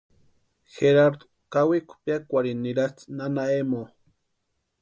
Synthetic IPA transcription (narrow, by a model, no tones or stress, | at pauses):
xeɾaɾd̪o̥ | kawikʷʰu̥pjakʷaɾiniɾat͡snanaemo